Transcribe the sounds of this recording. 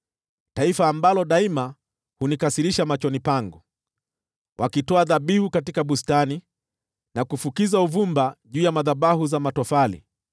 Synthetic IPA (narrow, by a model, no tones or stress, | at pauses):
taifaːmbalɔɗaima | hunikasiɾiʃamat͡ʃɔnipaŋɡu | wʔakitɔaðaɓihukatikaɓustani | nakufukizauvumbaʄuːjamaðaɓahuzamatɔfalḭ